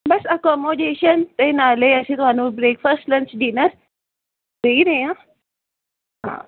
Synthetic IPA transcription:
bɐsəkɔmoɖeʃənt̪enaleəsĩt̪oanũbɾeːkfəɾsʈlə̃ɲt͡ʃɖinəɾ | ɾəiɾəjã | ɦã̰ː

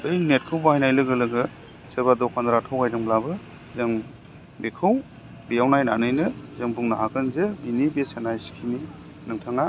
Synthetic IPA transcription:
ɯjnet̚kʰɯwbahajnajlɯɡɯlɯɡɯ | sebadɔkʰandɾatʰawkʰajdɯŋblabɯ | zeŋ | bekʰɯw | bijawnajnanɯjnɯzeŋbuŋnaɦakʰɯnzebinibesenajsi̥kʰini | nɯŋtʰaŋa

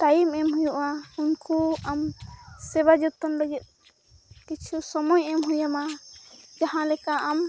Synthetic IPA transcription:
t̪aimɛmɦujuʔaunkuamsɛbad͡ʒut̪ːɔnləɡɛt̪̚ˀ | kit͡ʃʰusɔmɔjɛmɦujama | d͡ʒaɦãlɛkaʔam

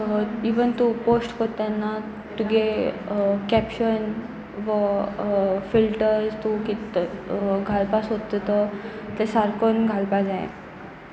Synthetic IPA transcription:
iʋənt̪uposʈkot̪janːa | t̪uɡe | kɛpɕən | ʋə | filʈəɾzt̪ukit̪ | ɡʱalpasɦod̪t̪t̪ət̪esaɾkonɡʱalpad͡zajḛ

